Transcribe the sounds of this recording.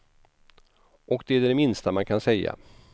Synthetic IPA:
ʔɔkd̪ɛæɖɖɛmɪnst̪amankʰansɛjːa̰

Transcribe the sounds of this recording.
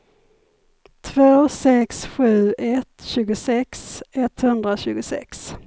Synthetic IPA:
t̪ʰvoːsɛksɧʉ̟ːɛt̪ɕʉ̟ːɡʊsɛksɛt̪hɵnd̪ɾaɕʉ̟ːɡʊsɛ̰ks

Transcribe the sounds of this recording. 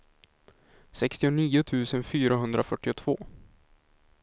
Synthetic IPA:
sɛkst̪ɪʊniːʊt̪ʰʉ̟ːsənfyːɾaɦɵnd̪ɾʔafœʈːɪʊt̪ʰv̥oː

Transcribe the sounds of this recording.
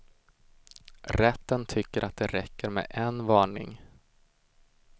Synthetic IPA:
ɾɛt̪ːənt̪ʰʏkːəɾʔat̪̚d̪ɛɾɛkːəɾmɛ̰ʔɛnvɑːɳɪ̰ŋ

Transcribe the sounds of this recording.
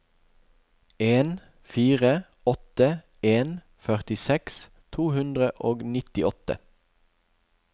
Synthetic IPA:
eːn | fiːʁə | ɔt̪ə | eːn | fœʁt̪ɪsɛks | t̪ʰuːhʉnd̪ʁəʔoːɡnɪt̪ɪɔt̪ə̰

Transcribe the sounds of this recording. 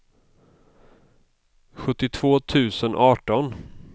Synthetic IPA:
ɧɵt̪ːɪt̪ʰv̥oːt̪ʰʉ̟ːsənʔɑːʈɔn

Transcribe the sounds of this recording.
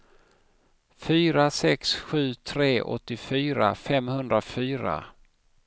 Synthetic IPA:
fyːɾasɛksɧʉ̟ːt̪ʰɾeːʔɔ̰t̪ːɪfyːɾa̰fɛmhɵnd̪ɾafyːɾa̰

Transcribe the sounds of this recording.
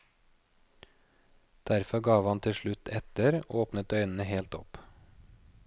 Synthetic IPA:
d̪̥æɾfɔɡɑːʋɑnt̪ʰɪʃɭʉt̪ʰɛt̪əɾʔoːpnət̪œʏnn̩əheːlt̪ɔ̰p

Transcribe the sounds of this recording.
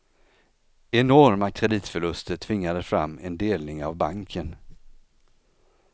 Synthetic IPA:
ɛnɔɾmakʰɾɛd̪iːt̪fœɭɵst̪əʈ̪ʰvɪŋːad̪əfɾa̰mːɛnd̪eːlnɪŋavbaŋkʰən

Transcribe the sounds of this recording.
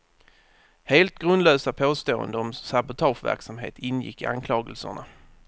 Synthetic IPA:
heːlt̪̚ɡɾɵnd̪løːsapʰoːst̪oːə̰nd̪əɔmsabʊt̪ʰɑːʂvæ̰ɾksamɦḛːt̪ɪnjɪ̰kːɪ̰ʔa̰nkʰlɑːɡəlsə̰ɳa

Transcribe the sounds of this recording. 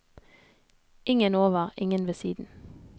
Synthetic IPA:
ɪŋənoːʋəʁɪŋənʋeːsḭːd̪n̩

